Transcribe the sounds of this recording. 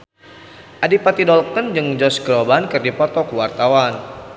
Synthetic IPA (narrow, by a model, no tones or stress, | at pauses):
ʔadipat̪idɔlkənd͡ʒɨŋd͡ʒɔsɡɾɔbankɨrdipɔt̪ɔkuwart̪awan